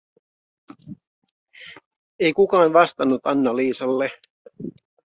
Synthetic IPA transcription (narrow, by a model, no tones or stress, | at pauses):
e̞jkukɑːnʋɑst̪ɑnːut̪ɑnːɑliːsɑlːe